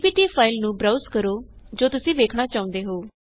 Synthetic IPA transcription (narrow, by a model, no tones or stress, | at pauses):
piːʈiːpʰaːɪlnũːbɾaːʊskəɾoːd͡ʒoːt̪ʊsĩːʋeːkʰɽaːt͡ʃaːʊ̃nd̪eːɦoː